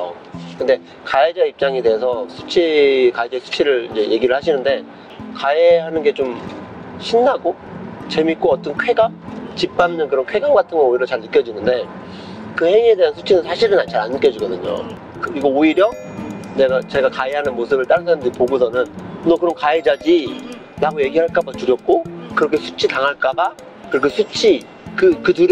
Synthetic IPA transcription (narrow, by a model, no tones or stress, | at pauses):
o | kɯnde̞ | kaed͡ʑaip̚t͡ɕ͈aŋede̞esʰʌsʰu̥t͡ɕʰikaed͡ʑasʰu̥t͡ɕʰiɾɯɾind͡ʑe̞jʔe̞ɡiɾɯɭhaɕʰinɯnde̞ | kaeɦanɯnɡe̞t͡ɕomɕʰinːaɡot͡ɕe̞mik͈oʌt͈ʌnkʰe̞ɡat͡ɕip͈̚amnɯnkɯɾʌnkʰwe̞ɡaŋɡatʰɯnɡʌoiɾjʌt͡ɕaɭːik͈jʌd͡ʑinɯnde̞ | kɯhe̞ŋie̞de̞ɦansʰu̥t͡ɕʰinɯnsʰaɕʰiɾɯnat͡ɕaɾank͈jʌd͡ʑiɡʌdɯɲo̰ | kɯiɡʌoiɾjʌ | ne̞ɡat͡ɕe̞ɡakaiɦanɯnmosʰɯbɯɭt͈aɾɯnsʰaɾamndeipoɡosʰʌnɯnnʌkɯɾʌnkaed͡ʑad͡ʑi | naɡoje̞ɡiɦaɭk͈abatuɾjʌk̚k͈okɯɾʌkʰe̞sʰu̥t͡ɕʰitaŋɦaɭk͈aba | kɯɾʌkʰe̞sʰut͡ɕʰi | kɯkɯtɯɾ